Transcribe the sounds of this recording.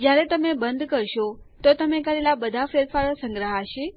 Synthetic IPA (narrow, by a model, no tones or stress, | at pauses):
d͡ʒjaɾɛt̪əmebənd̪ʱkəɾʃot̪ot̪əmekəɾelabəd̪ʱafeɾfaɾsəŋɡɾəɦaʃe